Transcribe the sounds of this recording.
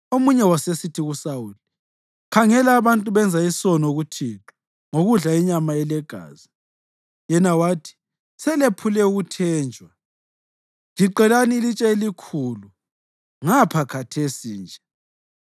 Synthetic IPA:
omuɲɛwasesitʰiɣusawuːli | kʰaŋɛlaːβantʼuβɛnd͡zʱaisɔnoɣutʰitʰʼɔ̥ | ŋoɣuɮaiɲamaɛlɛɡ̥ʱa̰ːzi | jɛnawaːtʰi̥ | sɛlepʰulɛuɣutʰɛːnd͡ʒʱwa | liǃɛlanilit͡ʃʼɛelikʰulu | ŋapʰakʰatʰesiːnd͡ʒʱɛ

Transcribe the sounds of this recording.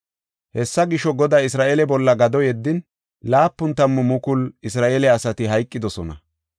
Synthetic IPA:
hɛsːɐɡɪʃɔɡɔd̪aːɪsɾaːʔeːlɛbɔlːɐɡɐd̪ɔjɛd̪ːɪn | laːpːʊnt̪ɐmːɔmʊkʊlɪsɾaːʔelɛɐsɐt̪ɪɦɐjkʼːɪd̪ɔsɔnɐ̰

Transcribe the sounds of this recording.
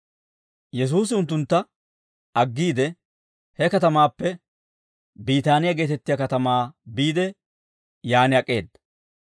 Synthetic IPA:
jɛs̬uːs̬ɪʊnt̪ːʊnt̪ːɐ | ɐɡːiːd̪ɛ | hɛkɐt̪ɐmaːpːɛ | biːt̪aːnɪjɐɡe̞ːt̪ɛt̪ːɪjɐkɐt̪ɐmaːbiːd̪ɛ | jaːnɪɐkʼːe̞ːd̪ːɐ

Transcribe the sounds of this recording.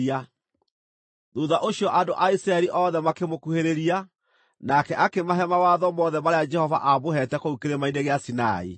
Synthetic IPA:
a | ðuðaʔoɕjɔʔandoʔaisɾaɛɾiʔɔðɛmakemokuheɾeɾia | nakɛʔakemaɦɛmawaðɔmɔðɛmaɾead͡ʒɛhɔva̰ʔabohɛtɛkoukeɾemaineɣeasina̰ḭ

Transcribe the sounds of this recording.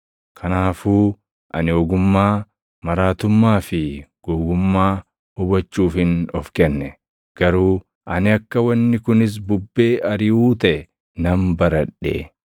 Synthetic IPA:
kʰɐnaːfuː | ʔɐnɪɔːɡʊmːaː | mɐɾaːt̪ʊmːaːfɪɡ̥oːɡʊmːaː | hʊbɐt͡ʃːuːfɪnɔfkɛnːɛ | ɡ̥ɐɾuː | ʔɐnɪɐkːɐwɐnːɪkʊnɪs̬bʊbːe̞ːʔɐɾɪuːt̪ɐɛ | nɐmbɐɾɐᶑḛː

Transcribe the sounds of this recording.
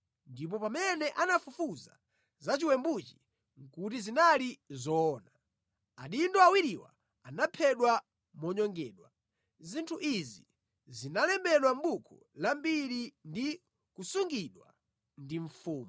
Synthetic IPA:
ndip̬ɔpamɛnɛʔanafufuza̰ | zat͡ʃiwɛmbut͡ʃi̥ | ŋ̩kutizinalizɔːna | aɗindɔawiɾiwa̰ | anapʰɛɗwa | mɔɲɔŋɡɛːɗwa | zintʰuʔizḭ | zinalɛmbɛɗwam̩bukʰɔ | lambiɾindi | kusuŋɡiɗwa̰ | ndiɱfuːmu

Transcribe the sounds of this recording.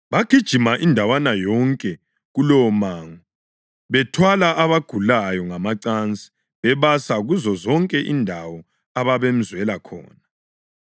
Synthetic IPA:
βaɡ̥ʱid̥ʒ̥ʱimaʔindʱawanajɔŋkʼɛ | ɣulɔmaːŋɔ | βɛtʰwalaʔaβaɡ̥ʱulajɔŋamaǀant͡sʼi̥ | βɛβasaɣuzɔzɔŋkʼɛʔindʱawɔ | aβaβem̩zwɛlakʰɔ̰ːna

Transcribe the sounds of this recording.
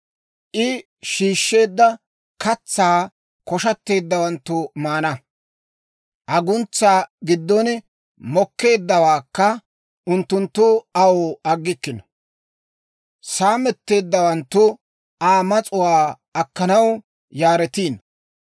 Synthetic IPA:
ʔɪ | ʃiːʃːe̞ːd̪ːɐ | kɐt͡sːaː | kɔʃɐt̪ːe̞ːd̪ːɐwɐnt̪ːʊmaːnɐ | ʔɐɡʊnt͡sːaːɡɪd̪ːɔn | mɔkːe̞ːd̪ːɐwaːkːɐ | ʔʊnt̪ːʊnt̪ːʊɐwoːɐɡːɪkːɪnɔ | saːmɛt̪ːe̞ːd̪ːɐwɐnt̪ːʊ | aːmɐt͡sʼʊwaː | ɐkːɐnɐw | jaːɾɛt̪iːn

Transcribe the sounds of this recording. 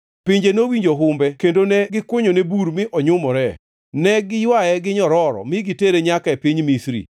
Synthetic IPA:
pɪɲd͡ʒenowiɲd͡ʒoɦʊmbɛkendonɛɡɪkwʊɲonebuɾmɪʔɔɲʊmɔɾɛ | nɛɡɪjwajɛɡɪɲɔɾɔɾɔ̰mɪɡɪteɾeɲakaepiɲmisɾḭ

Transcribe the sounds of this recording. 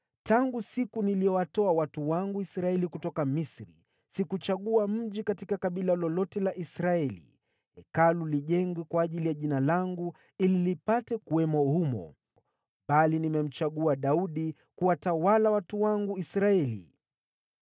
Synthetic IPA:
taŋɡusikuniliɔwatɔawatuwaŋɡuisɾaɛlikutɔkamisɾḭ | sikut͡ʃaɠuam̩ʄikatikakaɓilalɔlɔtɛlaʔisɾaɛlḭ | hɛkaluliʄɛŋɡwɛkwaːʄilijaʄinalaŋɡu | ililipatɛkuwɛmɔhumɔ̰ | ɓalinimɛm̩t͡ʃaɠuaɗauɗi | kuwatawalawatuwaŋɡuisɾaɛlḭ

